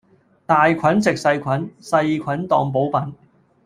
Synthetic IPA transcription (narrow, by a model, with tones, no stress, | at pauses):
t̪aː˨jkʷʰɐ˨˥nt͡sɪ˨k̚sɐ˧jkʷʰɐ˨˥nsɐ˧jkʷʰɐ˨˥nt̪ɔ̰ː˨˧ŋp̬o˨˥wpɐ˨˥n